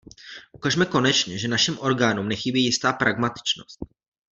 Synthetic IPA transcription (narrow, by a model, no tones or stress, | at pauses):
ʔukaʒmɛko̞nɛt͡ʃɲɛʒɛnaʃɪmʔo̞ɾɡaːnumnɛxɪbiːjɪst̪aːpɾʔaɡmat̪ɪ̥t͡ʃno̰st̪̚